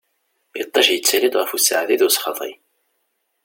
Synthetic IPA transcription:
jət̪ˤːɑʃjət͡sːælid̪ʁəfusʕðiðʊsχɑt̪ˤḭ

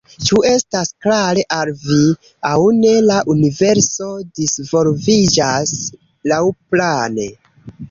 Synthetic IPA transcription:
t͡ʃue̞stasklaɾe̞ʔalvi | awne̞laʔunive̞ɾso̞disvo̞lvid͡ʒas | lawplane̞

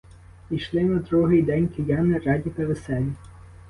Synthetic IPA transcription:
iʃlˠɪnɐd̪ɾuɦɪjd̪ɛnʲkʲɪjʲɑnɪɾɑdʲipeʋesɛlʲi

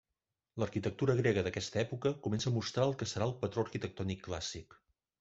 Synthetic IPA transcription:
ləɾkit̪ək̚t̪uɾəɣɾɛɣəðəkɛst̪əɛpukəkumɛnsəːmust̪ɾaəlˠkəsəɾaəlˠpət̪ɾoəɾkit̪ək̚t̪ɔnikːla̰sik

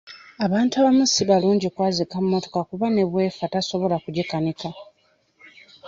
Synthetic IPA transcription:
aβaːntuaβamusiβaluːɲɟikwaːzikamumo̞to̞kakuβane̞βwe̞ːfataso̞βo̞lakuɟekanika

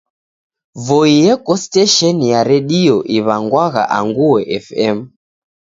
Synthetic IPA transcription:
vɔijɛkɔstɛʃɛnjaɾɛɗiɔʔiβaŋɡwaɣa̰ʔaŋɡuwɛʔɛfɛm̩

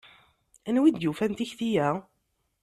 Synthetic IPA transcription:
ænwid̪jufænt̪içθijæ

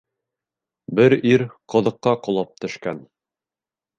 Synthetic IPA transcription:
bɘɾiɾqɤ̆ðɤ̆qːɑqŏlˠɑp̚t̪ɵ̆ʃkæn

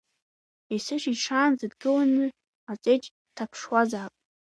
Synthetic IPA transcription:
isɨʃiʈ͡ʂʰaːnzɨdɡɨlanɨ | at͡sʼejt͡ʃʼ | tʰapʰʂwazaːpʼ

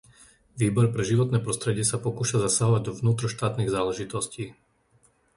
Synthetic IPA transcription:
ʋiːbɔɾpɾɛʒiʋɔt̪nɛːpɾɔst̪ɾɛɟɪɛsapɔkuːʃazasaɦɔʋaɟd̪ɔʋnuːt̪ɾɔʃt̪aːt̪niɣzaːlɛʒit̪ɔsciː

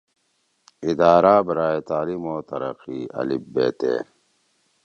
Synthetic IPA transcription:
id̪aːɾaːbɾaːet̪aːlimoːt̪ɐɾɐ̰qiɐ̰libːḛːt̪ḛː

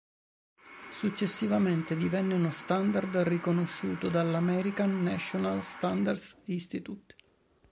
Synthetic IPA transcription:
sut͡ʃːesːivament̪ed̪ivɛnːeunost̪and̪ard̪rikonoʃːuːt̪od̪alːamɛɾikanːaʃonalst̪and̪ard̪sist̪it̪ut̪

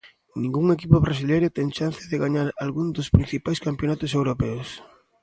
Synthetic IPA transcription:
nĩŋɡuŋekipʊβɾas̬ilejɾʊt̪ɛŋt͡ʃan̟θɪðeɣaɲaɾalɣund̪ʊspɾin̟θipajskampjonat̪ʊsewɾopɛʊs

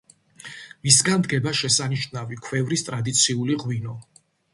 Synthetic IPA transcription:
misɡand̪ɡɛbaʃɛsaniʃnavikʰwɛvɾist̪ʼɾad̪it̪sʰiuliʁwinɔ

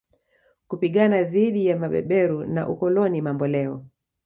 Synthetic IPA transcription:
kupiɠanaðiɗijamaɓɛ̰ɓɛɾuna̰ʔukɔlɔnimambɔlɛɔ

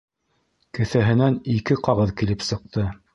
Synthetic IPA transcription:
kɘ̆θæɦɘ̆nænikɘqɑʁɤðkilɘpsɤ̆q̚t̪ɤ

